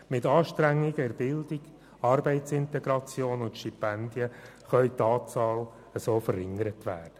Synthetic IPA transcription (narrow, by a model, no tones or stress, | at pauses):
mɪtɑːʃtɾæŋːɪɡəɛɾbɪldiɡ | ɑrbɛɪtsɪntɛɡɾɑt͡sjoːnʊntʃtipɛnd̪jə | χœʏt̪ɑːt͡sɑːl | əsoːfəɾɪŋəɾətʋæ̰ːrd̥ə